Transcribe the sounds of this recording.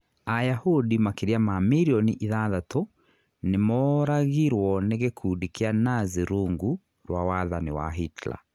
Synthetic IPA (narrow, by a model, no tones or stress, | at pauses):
ajahudimakeɾiamamiɾiɔniʔiðaðato | nemɔɾaɣiɾwɔneɣekʰuːdikianaziɾuŋɡu | ɾwawaðaniwa̰ɦitla̰